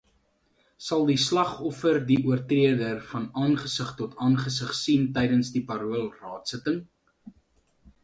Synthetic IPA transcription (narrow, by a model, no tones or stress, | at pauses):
sɐlˠdislɐχɔfərdiʔuərtriədərfɐnɑːnχəsəχtɔtɑːnχəsəχsintɛjdənsdipɑɾuəlˠrɑːtsətəŋ